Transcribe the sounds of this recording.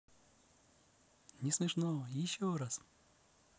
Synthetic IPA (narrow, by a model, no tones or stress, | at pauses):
nʲɪsmʲɪʂnojɪɕːoɾas